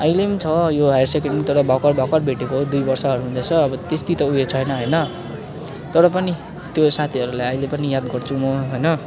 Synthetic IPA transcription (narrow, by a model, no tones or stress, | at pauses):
ʌjlemt͡sʰʌjoɦajarsekeɳmt̪ʌɾʌbʱʌkʌrbʱʌkʌrbʱeʈekod̪ujbʌrsʌɦʌɾuɦund͡zat͡sʰʌːbʌt̪est̪it̪ʌujet͡sʰʌjnʌɦʌjnʌ | t̪ʌɾʌpʌni | t̪josat̪ʰiɦʌɾulajʌjlepʌnijad̪ɡʌrt͡sʰumʌɦʌjnʌ